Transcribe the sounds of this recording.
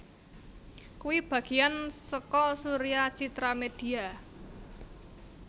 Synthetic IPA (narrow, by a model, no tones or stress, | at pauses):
kuwib̥ä̤ɡ̥ijansəkɔsuɾiat͡ʃit̪ɾamed̥i̤a